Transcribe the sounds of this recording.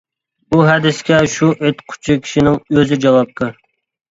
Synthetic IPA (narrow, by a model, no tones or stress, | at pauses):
buɦɛd̪ɪskʲɛʃuʔøt̪qʰʊ̥t͡ʃʰikʲʰi̥ʃinɪŋøzɪd͡ʒɑwˠɑp̚t̪ʰɨ